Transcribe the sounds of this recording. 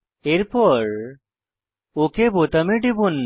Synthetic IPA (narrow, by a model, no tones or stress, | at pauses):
eɾpɔɾ | okebot̪ameɖibun